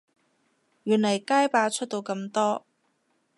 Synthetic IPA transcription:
jyː˨˩nlɐ˨˩jkaː˥jpaː˨˧t͡ʃʰt̚t̪o˧wkɐ˧mt̪ɔː˥

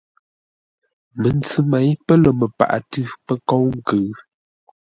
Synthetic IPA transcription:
mə˨nt͡sʉ˦ma˨˦jpə˦lə˨mə˨pa̰˨ʔa̰˨tʉ˦pə˦kɔ˦wŋ̩˦kə˨˦

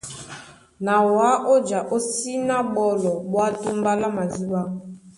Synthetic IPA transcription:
na˨wa˨˦ʔo˦d͡ʒa˨ʔo˦si˦na˦ɓɔ˦lɔ˨ɓwa˦to˦m˦ba˦la˦ma˨zi˦ɓa˦

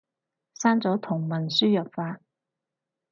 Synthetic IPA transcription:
saː˥nt͡sɔː˨˥t̪ʰʊ˨˩ŋmɐ˨˩nsyː˥jɐ˨˩p̚faː˧

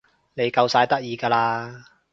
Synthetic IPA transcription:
ne˨˧jkɐ˧wsaː˧jt̪ɐ˥k̚jiː˨˧ɡaː˧laː˧

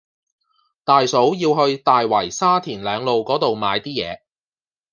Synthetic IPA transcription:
t̪aː˨jso˨˥wjiː˧wɦɵ˧ɥt̪aː˨jwɐ˨˩jsaː˥t̪ʰiː˨˩nlœː˨˧ŋlo˨wkɔː˨˥t̪o˨wmaː˨˧jt̪iː˥jɛ̰ː˨˧

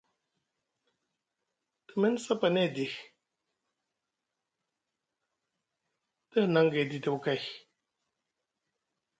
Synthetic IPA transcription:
tɨ˨mɛ˦n˦sa˦pa˨nɛ˦˨di˨x | tə˦˨na˨˦ŋɡe˨di˨tə˨wka˦˨j

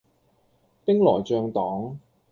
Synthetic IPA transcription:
pɪ˥ŋlɔː˨˩jt͡ʃœː˧ŋt̪ɔː˨˥ŋ

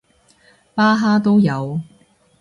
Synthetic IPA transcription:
paː˥ɦaː˥t̪̬o˥wjɐ˨˧w

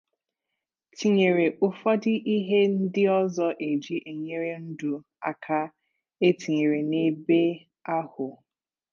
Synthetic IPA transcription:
ti˨ɲe˨ɾe˨ʔʊ˦fɔ˦dɪ˦ʔi˦ɦe˦n̩˦dɪ˦ɔ˦zɔ˦ʔe˨d͡ʒi˦ʔe˨ɲe˦ɾe˦n̩˦du˨ | a̰˨kʰa˦ | e˦ti˨ɲe˨ɾe˨ne˦be˦ | a˦hʊ˨

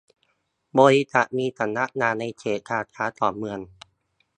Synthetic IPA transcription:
bɔː˧ɾi˦˧t͡ɕa˨˩ʔmiː˧t̪ʰa˧˩nːa˧˥ʔ̚naː˧˩na˧jt͡ɕʰeː˨˩t̪̚kʰaː˧˩t̪ʰaː˨˦˥t̪ɔː˨˩mɯ˧əŋ

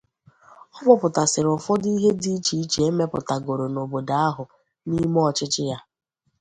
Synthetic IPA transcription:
ɔ˦mʊ˦pʊ˨ta˨sɪ˨ɾʊ˨fɔ˦di˦ɦe˦di˦t͡ʃi˨˦t͡ʃe˨e˦me˦pʊ˨ta˨ɡo˨ɾo˨no˨bo˨da˦a˦ɦʊ˨ | ni˦m˦ɔ˨t͡ʃɪ˦t͡ʃɪ˦ja˦

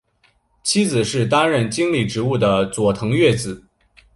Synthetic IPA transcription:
t͡ɕʰi˥d͡zɹ̩˨˩ʂɻ̩˥˩t̪a˥nɻə˥˩nt͡ɕi˥ŋli˥˩ʈ͡ʂɻ̩˧˥u˥˩d̪ə˩t͡swɔ˨˩t̪ʰɤ˧˥ŋɥɛ˥˩t͡sɹ̩˨˩˦

